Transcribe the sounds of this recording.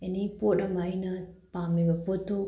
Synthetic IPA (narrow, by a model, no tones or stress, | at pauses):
enipooɾamainapamebapoto